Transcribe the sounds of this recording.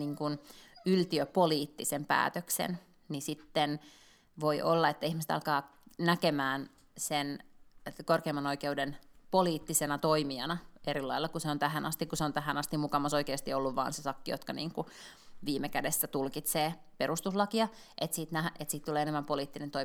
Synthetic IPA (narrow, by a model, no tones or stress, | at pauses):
niːŋkunylt̪iøpoliːt̪ːisempæ̰ːt̪øksḛn | nisit̪ːen | ʋoiʔolːɑet̪ːæihmise̥t̪ɑ̰lkɑː | nækemæːn | sen | korkeːmɑnoikeudenpoliːt̪ːisenɑt̪oimiɑnɑeɾilːɑilːɑkuseont̪æɦænʔɑst̪ikuseont̪æɦænɑst̪imukɑmɑsoikeːst̪iolːuʋʋɑ̰ːnsesɑkːijot̪kɑnḭːŋku | ʋiːmekædesːæt̪ulkit̪seː | peɾust̪uslɑkiɑ | ʔet̪siːt̪næhʔet̪siːt̪t̪uleːenemːæmpoliːt̪ːinent̪oi